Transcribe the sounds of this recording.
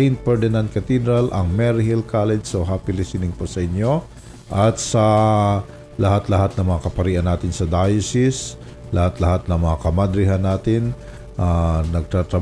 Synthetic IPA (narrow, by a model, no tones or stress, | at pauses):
jnt̪̚pɛd̪ɛnɐnt̪̚kɐt̪id̪ɾɐlʔɐŋmɛɾhilkalɛd͡ʒsoɦaːpɪlɪsinɪŋposɐʔɪɲjo | ʔɐt̪̚sɐ | lɐhat̪lɐhat̪̚nɐŋmɐŋakɐpɐɾiːʔɐnːaːt̪ɪnsɐd̪ajsɪs | lɐhat̪lɐhat̪̚nɐŋmɐŋakɐmɐd̪ɾɪɦanːaːt̪ɪn | ʔanɐɡ̚t̪ɾat̪ɾɐ